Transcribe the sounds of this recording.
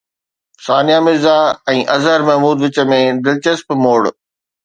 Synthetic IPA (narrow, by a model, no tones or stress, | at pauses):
saːnijaːmɪzaɛ̃ːʔɐzəɾmɐɦmuːd̪ʋɪt͡ɕə̆mẽd̪ɪlt͡ɕəspmoːɽ